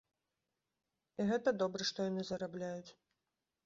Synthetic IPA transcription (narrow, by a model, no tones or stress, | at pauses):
iɣɛt̪ɐd̪ɔbɾɛʂt̪ɔjanɨzɐɾablʲajut͡sʲ